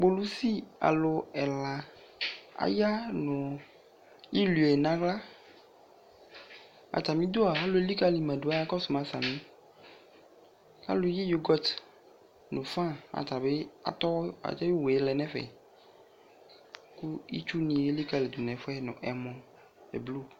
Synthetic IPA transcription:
ɡ͡bo˨lu˦si˦a̰˨lo˨ɛ˨la˨ | a̰˨ja˦nɔ̃˨ | i˦lu˨e˨nã˨˦ɡla˦ | a̰˨t̪a˨mĩ˦d̪o˦a˨a˦lo˨e˦li˦ka˦li˨mɛ̃˨do˨˦a˦ja˦kɔ˦su˨m˨ã˨sa˨mĩ˦ | a̰˦lo˦ji˦jo˦ɡɔ˦t̪ | nʊ̃˨fã˦a̰˨t̪a˨be˦a̰˨t̪ɔ˦a̰˨t̪ɛ˦jo˦we˨e˨˦lɛ˨nɛ̃˦fɛ̰˨ | ku˦i˦t͡ʃu˦nĩ˨e˦li˦ka˦˨le˨d̪u˨nɛ̃˨fɛ˦nʊ̰̃˨ʔɛ˨mɔ̃˨ | ḛ˨blo˦

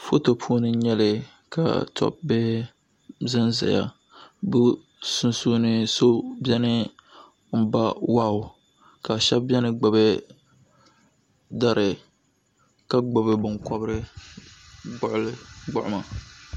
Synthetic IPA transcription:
fo˦to˨pʰu˦o˦nɨ˦ɲɛ˦lɨ˨ | ka̰˨tʰɔ̰˦p̚bɛ˦ | zɨ˦nza̰˨ja̰˨ | bʊ˦ | sʊ˦nsu˦nɨ˦so˦bjɛ˦nɨ˦ | m̩˦˨ba˦wa˦ʊ˨ | ka˨ʃɛ˦bbjɛ˦nɨ˦ɡ͡ba˨bɛ˦ | da˦ɾɨ˨ | ka˦ɡ͡ba˨bɨ˦bʊ˨ŋkɔ˦bɾɨ˦ | ɡ͡bʊ˦ʔʊ˦lɨ˦ɡ͡bʊ˦ʔʊ˦ma˨

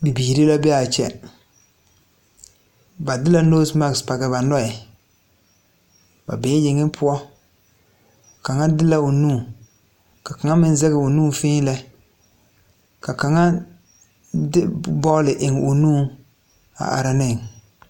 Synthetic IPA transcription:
bi˨biː˨ɾi˦la˦bɛ˦a˨t͡ʃɛ̰˨ | ba˨dɪ˦la˦noː˦sma˦kspa˨ɡɛ˨ba˨nɔ˦ɛ˨ | ba̰˨bɛː˨˦jɪ˨ŋɪ˦pʰʊ˦ɔ˦ | ka˨ŋa˦dɪ˦la˦ʊ˨nũː˦˨ | ka˨ka˨ŋa˦mɪ˦n˦zɛ˦ɣɪ˨ʊ˨nuː˦fɪ̃ː˦lɛ˦ | ka˨ka˨ŋa˦ | dɪ˦bɔ˦lɪ˨ʔɪ˨ŋʊ˨nũː˦˨ | a̰˨ʔa̰˨ɾa˨nɪ˦˨ŋ

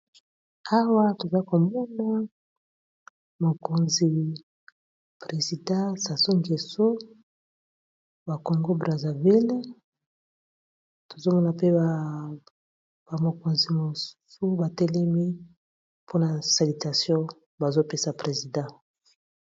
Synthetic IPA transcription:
a˦wa˦to˨za˦i˦ko˨mo˦na˦ | mo˨ko˨nzi˨ | pʁe˨zi˨dã˦sa˨so˦ŋɡe˨so˦ | ba˨ko˨ŋɡo˦bʁa˨za˨vi˦l | to˨zo˦mɔ˦na˨pe˦˨ | ba˨mo˨ko˨nzi˨mo˨su˦su˦ba˨te˦le˦mi˦ | pʰo˦na˨sa˨li˨ta˨sjɔ̃˦ | ba˨zo˦pe˦sa˨pʁe˨zi˨dã˦

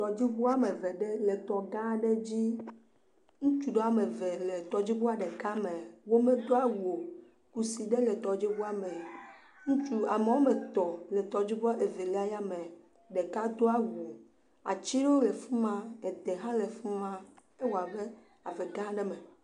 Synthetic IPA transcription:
t̪ɔ˨d͡ʑi˦bo˦a˦me˨vɛ˨ɖe˦le˨t̪ɔ˨ɡã˦ɖe˦d͡ʑi˦ | ŋũ˦t͡ʃu˨ɖo˦a˨me˨vɛ˨le˨t̪ɔ˨d͡ʑi˦bo˦a˨ɖɛ˨ka˦me˨wo˦me˦d̪o˦a˦wo˨ | ku˦si˨ɖe˦le˨t̪ɔ˨d͡ʑi˦bo˦a˦me˨ | ŋũ˦t͡ʃu˦a˨me˨wo˦me˨t̪ɔ˨le˨t̪ɔ˨d͡ʑi˦bo˦a˦ʔe˨ve˨lɛ˦a˦ja˦me˨ | ɖɛ˨ka˦d̪o˦a˦wu˨ | a˨t͡ʃi˦ɖo˦le˨fu˦mã˦e˨d̪e˨ɦã˦le˨fu˦mã˦ | e˦wo˨a˨be˦ | a˨vɛ˨ɡã˦ɖɛ˦me˨

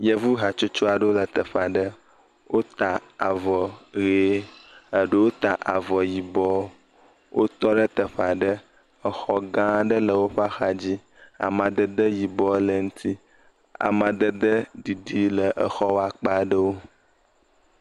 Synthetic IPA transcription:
jə˦vu˦ɦa˨t͡ʃo˦t͡ʃo˦a˨ɖo˦lə˨t̪ə˨ɸa˨ɖə˦ | wʔo˦t̪a˨a˨vɔ˨ɣe˨˦ə˨ɖə˦wo˦t̪a˨ʔa˨vɔ˨ji˨bɔ˦ | wʔo˦t̪ɔ˦ɖə˦t̪ə˨ɸa˨ɖə˦ | ə˨xɔ˦ɡã˦ɖə˦lə˨wo˦ɸa˦xa˨d͡ʑi˦ | a̰˨mã˨d̪ə˦d̪ə˦ji˨bɔ˦lə˨ŋũ˦t̪ʰi˦ | a̰˨mã˨d̪ə˦d̪ə˦ɖi˨ɖi˦lə˨ʔə˨xɔ˦wa˨k͡pa˦ɖə˦wo˦

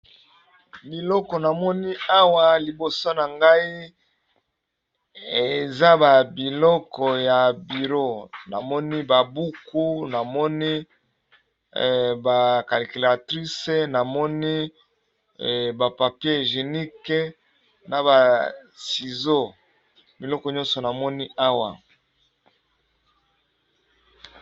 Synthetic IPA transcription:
bi˨lɔ˦kɔ˨na˨mɔ˦ni˦a˦wa˦li˨bo˨so˦na˨ŋɡa˦i˦ | e˨za˦ba˨bi˨lɔ˦kɔ˨ja˨bi˨ʁo˦na̰˨mɔ˦ni˦ba˨bu˦ku˦na˨mɔ˦ni˦˨ | ba˨ka˨li˨ki˨la˨tʁi˦se˨na˨mɔ˦ni˦˨ | ba˨pa˨pje˦ʒe˨ni˦ke˦ | na˨ba˨si˨zo˦ | bi˨lɔ˦kɔ˨ɲɔ̃˦nsɔ˨na˨mɔ˦ni˦ʔa˦wa̰˨

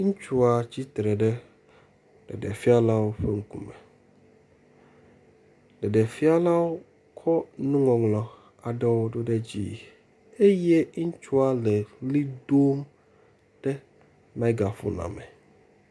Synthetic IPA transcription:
ŋ̩̃˦t͡ʃu˦a˨t͡ɕi˦t̪ɾɛ˨ɖɛ˦ | ɖɛ̰˨ɖḛ˨fi˦a˦la˦wo˦ɸe˦ŋ̩˦kṵ̃˦mɛ˨ | ɖɛ˨ɖɛ˨fi˦a˦la˦wo˦ | kʰɔ˦nũ˦ŋɔ̃˨ŋlɔ̃˨ | a˨ɖɛ˦wo˦ɖo˦ɖe˦d͡ʑḭ˦˨ | e˦je˦ŋ̩˦t͡ʃu˦a˦˨lɛ˨li˦do˦m | ɖ̥ɛ˦ | mã˦i˦ɡa˨fṵ˦nã̰˨mɛ̰˨

